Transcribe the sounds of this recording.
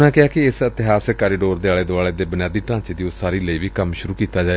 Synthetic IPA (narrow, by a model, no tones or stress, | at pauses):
nãːkɪaːkɪɪsət̪ɪɦaːskaːɾiːɖoːɾd̪eːaːɭeːd̪oʊaːɭeːd̪eːbənjaːd̪iːʈãːt͡ʃːd̪iːʊsaːɾiːləiːʋiːkəmʃʊɾuːkiːt̪aːd͡ʒaːe